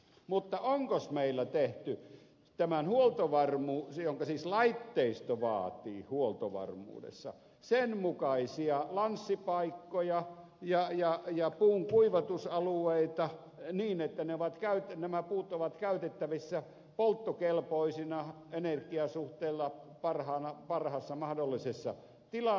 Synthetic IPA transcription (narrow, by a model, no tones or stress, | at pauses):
mut̪ːɑoŋkosmeilːæt̪eht̪y | t̪æmænhuolt̪oʋɑrmuːsjoŋkɑsiːslɑit̪ːeist̪oʋɑ̰ːt̪iːhuolt̪oʋɑ̰rmṵːdḛsːɑ̰ | senmukɑisiɑlɑnsːipɑikːojɑ | jɑjɑjɑpuːŋkuiʋɑt̪usɑlueit̪ɑ | niːnet̪ːæneoʋɑt̪kæyt̪næmæpuːt̪oʋɑt̪kæyt̪et̪ːæʋisːæ | polt̪ːokelpoisinɑ | enerkiɑsuht̪eilːɑpɑrhɑːnɑpɑrhɑsːɑmɑhdolːisesːɑ̰ | t̪ilɑ